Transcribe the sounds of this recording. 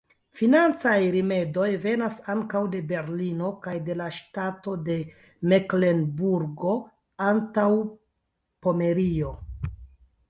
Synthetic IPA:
finant͡sajɾime̞do̞jve̞nasaŋkawde̞be̞ɾlino̞kajde̞laʃtato̞de̞ | mekle̞nbuɾɡo̞ | antaw | po̞me̞ɾio̞

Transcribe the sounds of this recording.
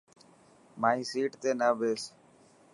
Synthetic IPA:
maːisiːʈt̪eːnaʋeːs

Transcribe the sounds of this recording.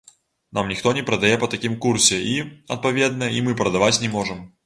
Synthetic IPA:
namnʲixt̪ɔnʲɛpɾɐd̪ɐjɛpɐt̪ɐkʲimkursʲɛiɐ̰t̪̚pavʲed̪̚nɐjimɨpɾɐd̪avat͡sʲnʲɛmɔʐɨm

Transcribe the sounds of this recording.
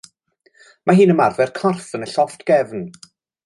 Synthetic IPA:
maɦiːnəmarvɛrkʰɔrθənəɬɔftʰɡ̥ɛvn

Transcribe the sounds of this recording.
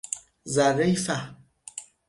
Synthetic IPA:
zaɣɛjfa

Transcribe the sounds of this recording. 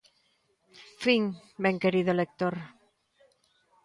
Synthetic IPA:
fiŋbeŋkeɾiðolek̚t̪oɾ

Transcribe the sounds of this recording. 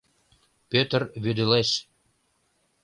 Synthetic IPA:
pøt̪ərβyd̪eleʃ

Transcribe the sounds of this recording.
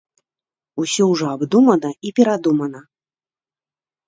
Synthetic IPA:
usʲɔwʐɔabd̪umɐnɐipʲɛɾad̪umɐnɐ

